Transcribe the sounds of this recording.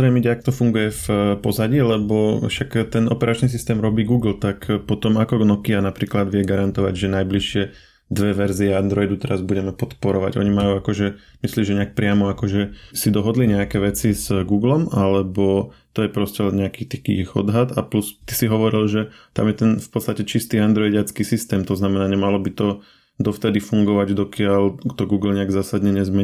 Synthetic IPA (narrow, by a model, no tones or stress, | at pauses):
ɾɛmiɟɛakt̪ɔfuŋɡujɛfpɔzaɟilɛbɔfʃakt̪ɛnɔpɛɾʔat͡ʃnis̬ist̪ɛːmɾɔbiːɡuːɡl̩t̪akpɔt̪ɔmakɔnɔkianapɾiːklad̪ʋɪɛɡaɾant̪ɔʋa̰ɟʒɛnajbliʃɪɛ | d̪ʋɛʋɛɾziɛand̪ɾɔjd̪ut̪ɛɾazbuɟɛmɛpɔt̪pɔɾɔʋa̰ɟɔ̰ɲimajuːakɔʒɛ | misliːʒɛɲɛak̚pɾɪamɔakɔʒɛsid̪ɔɦɔd̪liɲɛakɛʋɛt͡sizɡuːɡlɔmalɛbɔt̪ɔjɛpɾɔscɛlɲɛakit̪ikḭxɔ̰d̪ɦat̪a̰plust̪isiɦɔʋɔɾilʒɛ | t̪a̰mjɛt̪ɛnfpɔt͡st̪acɛt͡ʃist̪iːand̪ɾɔjɟat͡skiːsist̪ɛːmt̪ɔznamɛnaːɲɛmalɔbit̪ɔ | d̪ɔft̪ɛd̪ifuŋɡɔʋaɟd̪ɔkɪaʎt̪ɔɡuːɡl̩ɲɛaɡzaːsad̪ɲɛɲɛzmɛ